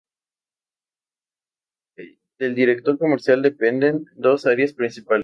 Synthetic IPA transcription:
d̪̥e̞ld̪iɾe̞k̚t̪o̞ɾko̞meɾsjald̪e̞pe̞nd̪e̞nd̪o̞saɾjaspɾinsipal

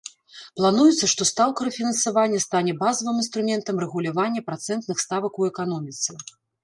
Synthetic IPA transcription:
plˠanujut̪sːɐʂt̪ɔst̪awkɐɾɐfʲinɐnsavanʲːɐst̪anʲɛbazɐvɨminst̪ɾumʲɛnt̪ɐmrɛɣulʲavanʲːɐpɾat̪sɛnt̪nɨxst̪avɐkuɛkan̪ɔmʲit̪sɨ

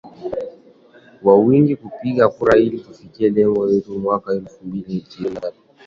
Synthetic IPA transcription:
wawiŋɡikupiɠakuɾailitufikiɛlɛŋɡɔjɛtumwakaɛlfumbilitinatu

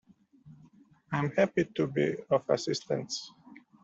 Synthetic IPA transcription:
ãj̃mhapitubḭɔfa̰sɪstə̰̃nts

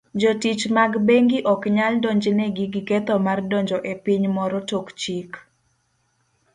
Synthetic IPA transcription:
d͡ʒɔtit͡ʃmaɡbeŋɡɪʔɔkɲaldɔɲd͡ʒnɛɡiɡikɛt̪ɔmardɔɲd͡ʒɔʔepiɲmɔɾɔtokt͡ʃik

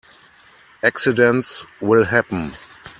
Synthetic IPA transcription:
ʔæksɪdɛ̃ntswɪlɦæpn̩

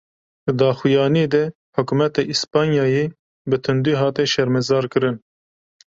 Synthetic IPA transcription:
d̪ɨd̪ɑːxujɑːnied̪ɛ | ħʊkumɛt̪eʔispɑːnjɑːjeː | bɨt̪ʰɨnd̪iːɦɑːt̪ɛʃɛɾmɛzɑːɾkɨɾɨn

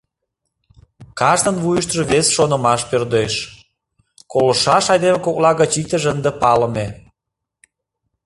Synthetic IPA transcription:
kɑʒnə̆nβujəʃt̪əʒeβesʃonə̆mɑʃpørd̪eʃ | kolə̆ʃɑʃɑjd̪emekok̚lɑɣət͡ɕit̪əʒənd̪epɑlə̆me

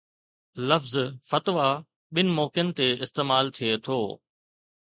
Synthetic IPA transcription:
lɐfzfɐt̪ʋa | ɓɪnɪ̆moːkɪən̆t̪eɪst̪eːmaːlt̪ʰiet̪ʰoː

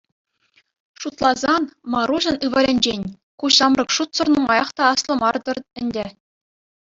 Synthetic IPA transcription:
ʂut̪lˠɑzɑnmɑɾuʑɤ̆nɯʋɑlʲɘnʲd͡ʑenʲ | kuɕɑmrɤ̆kʂut̪sɤ̆rnɤ̆mɑjɑχt̪ɑɑslˠɤ̆mɑrd̪ɤ̆rɘ̆nʲdʲɘ̆

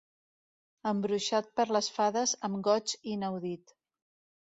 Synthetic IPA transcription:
əmbɾuʃat̪̚pəɾləsfaðəzəmɡɔt͡ʃinəwðit̪

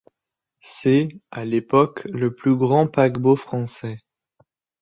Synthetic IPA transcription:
sɛalepɔkləplyɡʁɑ̃paɡbofχɑ̃sɛ

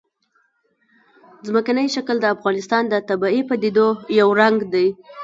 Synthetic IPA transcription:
zməkanəjʃakəld̪əafɣɑnɪst̪ɑnd̪ət̪abɑipad̪id̪ojawɾaŋɡd̪aj

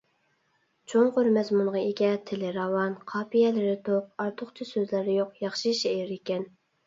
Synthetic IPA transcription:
t͡ʃʰoŋqøɾmɛzmunʁɑeɡʲɛt̪ʰelɪɾɑwɑnqʰɑːpijɛlɪɾɪt̪ʰoq̚ɑɾt̪ʰʊχt͡ʃʰisøzlɪɾɪjoqjɑχʃiʃɛɪɾekʲɛn

